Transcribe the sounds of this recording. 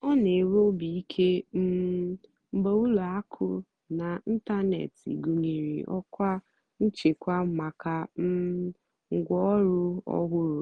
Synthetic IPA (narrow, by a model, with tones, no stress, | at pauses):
ɔ˦ne˨ɾo˦bi˨i˦kʰe˦m̩˦ | m̩˦bo˦u˦lu˨a˦kʰʊ̰˦ | na˨n̩˦ta˦nḛ˨tḭ˨ɡu˨ŋi˨ɾḭ˨ʔɔ̰˦kʷa˦ | n̩˦t͡ʃe˨kʷa˦ma˨ka˦m̩˦ | ŋ̩˦ɡʷɔ˦ɾʊ˦ɔ̰˦ɣʷʊ˦ɾʊ˨